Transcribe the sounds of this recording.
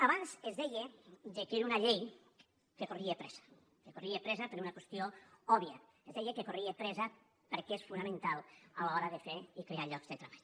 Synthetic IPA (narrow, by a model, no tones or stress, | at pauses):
aβanzezðejed̪ekeɾunaʎej | kekoriepɾɛz̥ḁ | kekoriepɾɛzapeɾunakwest̪ioɔβja | ezðɛjekekoriepɾɛza | peɾkeesfunamẽnt̪alˠalaɔɾaðefeɾikɾeaʎɔkzðet̪ɾaβaʎ